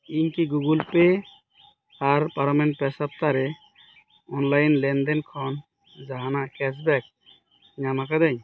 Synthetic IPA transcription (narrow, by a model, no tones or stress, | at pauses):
iɲkiɡuɡulpe | aɾpaɾamɛnpɛsap̚t̪aɾɛ | ɔnlajnlɛndɛnkʰɔn | d͡ʒaɦanaʔkɛs̬bɛk̚ | ɲamakad̪ɛɲ